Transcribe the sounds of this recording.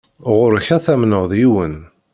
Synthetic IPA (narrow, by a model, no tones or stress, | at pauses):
ʁʊɾçæθæmnəʁðˤjiwən